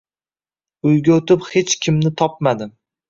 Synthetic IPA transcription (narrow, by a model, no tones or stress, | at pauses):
ʊjɡʲaot̪ɪphet͡ʃkʲʰɪmnɪt̪ʰɒp̚mad̪ɪ